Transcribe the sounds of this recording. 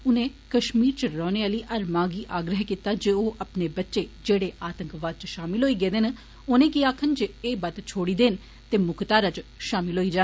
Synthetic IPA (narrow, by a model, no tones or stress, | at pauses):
ʊnẽːkəʃmiːɾt͡ʃəɾɔːneːaːləiːʔəɾmaːɡiːʔaːɡɾəɦkit̪aːd͡ʒeoːʔəpneːbətːʃeːd͡ʒeːɽeːʔaːt̪əŋkʋaːd̪̚t͡ʃʃaːmɪlɦoːiːɡeːd̪en | oːnẽːkiaːkʰənt͡ʃəeːbət̪t͡ʃʰoːɽiːd̪eːn | t̪eːmʊkt̪aːɾat͡ʃʃaːmɪlɦoːiːd͡ʒãː